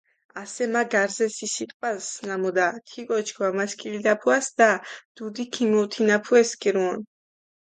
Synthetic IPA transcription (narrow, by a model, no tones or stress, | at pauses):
asɛmaɡaɾzɛsisit̪ʼqʼwasnamɔd̪at̪ʰikʼɔt͡ʃʰkʰvamaskʼilid̪apʰuasd̪ad̪̥ud̪ikʰimɔt̪ʰinapʰuɛskʼiɾuɔn